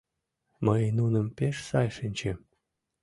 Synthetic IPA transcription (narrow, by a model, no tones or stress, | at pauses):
məjnunə̆mpeʃsɑjʃənʲt͡ɕe